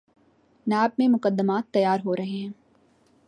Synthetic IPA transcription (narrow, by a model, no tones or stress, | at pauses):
naːb̚mẽmʊkəd̪ːəmaːt̪ːɐjaːɾɦoɾɐɦeɦɛ̃ː